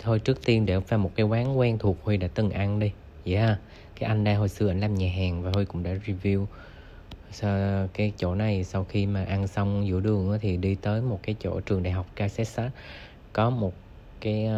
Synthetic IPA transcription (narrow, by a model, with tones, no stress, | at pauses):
t̪ʰo˧jt͡ɕɨ˦˥ək̚t̪i˧ənɗḛ˧˩vaː˨˩mo˨˩t̚kaː˨˦jkwaː˨˦ŋkwɛ˧nt̪ʰu˨˩ək̚hwi˧jɗa̰ː˧˥t̪ɨ˨˩ŋʔa˧nɗi˧ | ja˧ | kaː˨˦jʔa˧jŋ̟ɗaː˧ɦo˨˩jsɨ˧ʔa˧˩ŋ̟laː˧˨˩mɲaː˨˩ɦaː˨˩ŋvaː˨˩hu˧jkʊ̰˧˥ŋ͡mɗa̰ː˧˥zi˧vi˧əw | skaː˨˦jt͡ɕo̰˧˥na˨˩jsa˧wxi˧maː˨˩ʔa˧nsa˧wŋ͡mzṵ˧˥ɗɨ˨˩əŋʔa̰ː˨˦t̪ʰi˨˩ɗi˧t̪əː˨˦jmo˨˩t̚kaː˨˦jt͡ɕo̰˧˥t͡ɕɨ˨˩əŋɗaː˨˩jɦa˨˩wk͡p̚kaː˧sɛ˦˥t̚ʔaː˧˦˥ | kɔ˨˦mo˨˩t̚ | kaː˨˦j